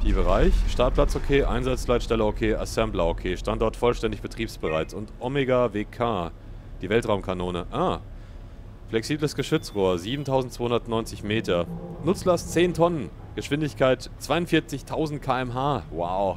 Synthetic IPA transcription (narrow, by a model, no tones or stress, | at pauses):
fʰiːbəʁaɪçʃtaɐt̚pʰl̥at͡shokʰeːʔa̰ɪnzat͡slaɪtʃtɛləokʰeːʔa̰samblaokʰeːʃtantdɔɐtfɔlʃtɛndɪçb̥ətʁ̥iːpsb̥əʁaɪt͡sʊntʔɔmeɡaveːkʰaː | d̥iːvɛltʁ̥aʊmkʰanoːnəʔaː | flɛksiːbləsɡ̥əʃʏt͡sʁoːɐziːbm̩tʰaʊzn̩tt͡soːhʊndɐtnɔʏnt͡sɪçmeːtɐnʊt͡slast͡seːntʰɔnən | ɡ̥əʃv̥ɪndɪçkʰaɪt | t͡sv̥aɪʊntfɪɐt͡sɪçtʰaʊzn̩t̚kʰaːɛmɦaːwa̰ʊ